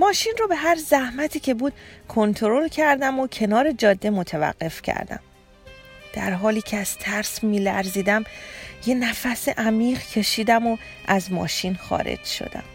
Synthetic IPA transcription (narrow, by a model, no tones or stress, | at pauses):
mɒːʃinrobe̞ɦæɾzæhmæt̪ʰiːcʰe̞buːd̪̥kʰo̞nt̪ʰoɾo̞lcʰæɾd̪æmocʰe̞nɒːɾe̞d͡ʒɒːd̪ːe̞mot̪ʰevæ̰ɢːe̞fcʰæ̰ɾd̪æ̰m | d̪̥æɾɦɒːliːcʰeæz̥t̪ʰæɾsmiːlæɾziːd̪æmje̞næfæseʔæmiːʁcʰe̞ʃiːd̪æmo | ʔæzmɒ̰ːʃiːnxɒ̰ːɾḛd͡ʒʃo̰d̪æ̰m